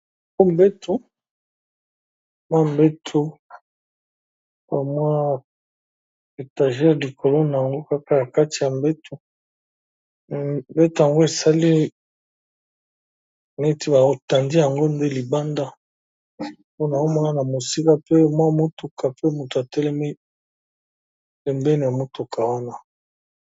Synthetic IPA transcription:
ŋo˦m˦be˦tʰo˦˨ | mwa˦m˨be˦tʰo˦ | ba˨mwa˦ | e˨ta˨ʒɛ˦li˨kʰo˨lo˦na˨ja˨ŋɡo˦ka˦ka˨ja˨ka˦ti˨ja˨mbe˦tʰo˨ | be˦to˨ja˨ŋɡo˦e˨sa˦li˦ | me˦ti˦ba˨o˨ta˨ndi˦ja˨ŋɡo˦nde˦li˨ba˦nda˦ | po˦na˨o˦mɔ˦na˦na˨mo˨si˦ka˦pe˦mwa˦˨mo˦tu˨ka˨pe˦mu˨to˨a˨tɛ˦le˦mi˦ | e˨mbɛ˦ni˨a˨mo˦tu˨kʰa˨wa˦na˦

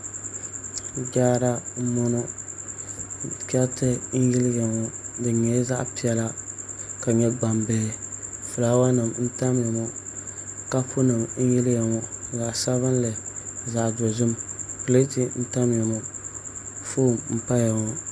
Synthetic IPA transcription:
d͡ʒaː˦ɾa˦mɔ˦nʊ˦ | kʲɛ˦ltɨ˦n̩˦jɪ˦lɪ˦jɛ˨ŋɔ˨dɨ˨ɲɛ˨˦za˦ʔpi˦ɛ˨la˦ka˨ɲɛ˦ɡ͡ba˨mbeː˨fʊ˨laː˨˦wa˦nɨ˨mn̩˦ta˦mjɛ˨mɔ˨ | ka˦pʰʊ˦nɨ˨mn̩˦jɪ˦ljɛ˨ŋɔ˨za˨ʔsa˦βɨ˦n˦lɨ˨za˨ʔdɔ˨zʊ˦mkɨ˨le˦tɪ˨n̩˦ta˦mjɛ˨mɔ˨ | foː˦˨mm̩˨pa˦jɛ˨ŋɔ˦

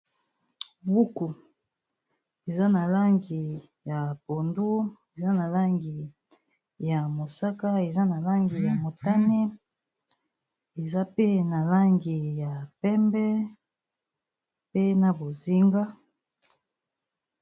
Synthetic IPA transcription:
bu˦ku˨ | e˨za˦na˨la˦ŋɡi˨ | ja˨po˨ndu˦e˨za˦na˨la˦ŋɡi˨ | ja˨mo˨sa˦ka˦e˨za˦na˨la˦ŋɡi˨ja˨mo˨ta˦ni˦ | e˨za˦pe˦na˨la˦ŋɡi˨ja˨pɛ˦mbɛ˦ | pe˦na˨bo˨zi˦ŋɡa˦

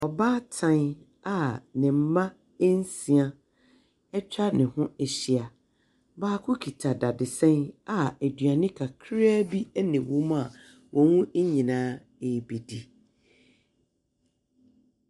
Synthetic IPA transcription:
ɔ˨baː˦tʰã˦n | a˨nɪ̃˨m̩˦mã˦ | e˦n˦si˨a˦ | ɛ˦t͡ɕᶣa˦nɪ̃˨hʊ̃˦e˨ɕi˦a˨ | baː˦kʰʊ˦kʰi˨tʰa˨da˨dɪ˨sɛ̃˦na˦˨æ˨dɥa˨nɪ̃˦kʰa˨kʰɾa˦bi˦ɛ˦nɪ̃˨wu˦ma˨ | wɔ̃˨wũ˦ʔe˦ɲĩ˨nãː˦ | e˨bi˨di˨

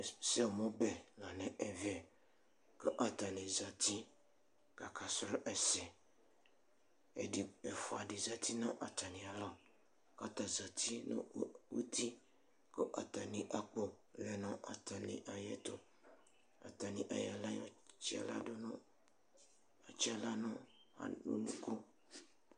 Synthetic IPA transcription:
se˦˨mɔ̃˦bɛ˨lã˨nɛ̃˨ʔɛ˨vɛ˨ | kə˦ʔa˨t̪a˨nẽ˨za˨t̪i˦ | ka˨ka˨sɾo˦ʔɛ˨sɛ˨ | ḛ˨di˨ɛ˨fo˨a˨di˨za˨t̪i˦nã˦ʔa˨t̪a˨nĩ˨a˨la˦˨ | ka˦t̪a˨za˨t̪i˦nõ̰˦wu˦t̪i˦ | kə˦ʔa˨t̪a˨nĩ˨ʔa˨k͡po˦ | lɛ˨nɔ̃˦ʔa̰˨t̪a˨nḭ̃˨ʔa˨jɛ˦t̪o˦˨ | a̰˨t̪a˨nĩ˨ʔa̰˨ja̰˨la˦jɔ̰˨t͡ʃi˦a̰˨la̰˦do˦nʊ̃˦ | a̰˨t͡ʃi˦a˨la˦nʊ̃˦ | a̰˨ṵ˦nũ˦ko˦

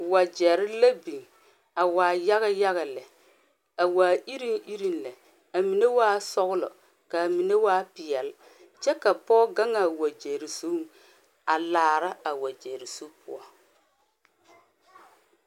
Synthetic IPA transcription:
wa˨d͡ʒɛ˨ɾɪ˦la˦bi˨ŋ | a˨waː˨ja˦ɣa˦ja˦ɣa˨lɛ˨ | a˨waː˨i˦ɾi˦ŋi˦ɾi˦nlɛ˨ | a˨mi˨ne˦waː˦sɔ˦ɣʊ˦lɔ̰˨ | ka˨mi˨ne˦waː˦pɪ˨ɛ˨l | t͡ʃɛ˦ka˨pɔː˦ɡa˦ŋa˨wa˨d͡ʒɛ˨ɾɪ˨so˦ | a˨laː˨ɾa˦a˨wa˨d͡ʒɛ˨ɾɪ˨so˦pʊ̰˦ɔ˦

